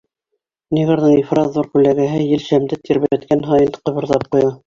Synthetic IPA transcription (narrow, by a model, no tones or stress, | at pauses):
niʁɤ̆ɾðɤɴifrɑzðuɾkʉlæɡæɦɘjɘlʃæmd̪ɘt̪iɾβææt̪kænɦɑjɤnqɤ̆βɤ̆ɾðɑp̚qujɤ